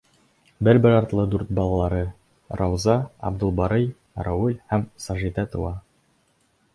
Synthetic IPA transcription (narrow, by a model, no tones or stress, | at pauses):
bɘɾbɘɾɑɾt̪lˠɤd̪uɾt̪̚bɑlˠɑlˠɑɾɤ | rɑwzɑɑ̰bd̪ŭlˠbɑɾɤj | ɾɑwulʲhæmsɑʒit̪ɑt̪ɤ̆wɑ